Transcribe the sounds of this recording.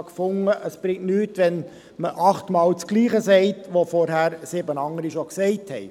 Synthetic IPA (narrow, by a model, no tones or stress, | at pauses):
kfʊŋːəʔəsb̥ɾɪŋnyːtʋɛn | məʔɑχtmɑːlt͡skliːχəsɛɪtʋofɔɾɦæɾsɪbənɑŋːəɾiʃoksɛɪthɛɪ